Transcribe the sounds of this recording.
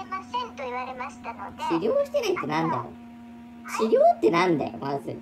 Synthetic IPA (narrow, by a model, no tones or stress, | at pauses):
emasẽnt̪oiβaɾe̞maɕi̥t̪anoɕiɾʲoːɕi̥t̪enait̪ːenãnd̪a̰jo̰ | ɕiɾʲo̞ːt̪ːe̞nãnd̪a̰jo̰mazɨ̰